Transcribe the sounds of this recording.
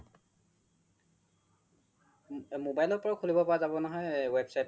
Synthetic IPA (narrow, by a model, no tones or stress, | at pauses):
mobajlɔɹpɔɹakʰolibɔpaazabɔnɔɦɔjwɛbsajt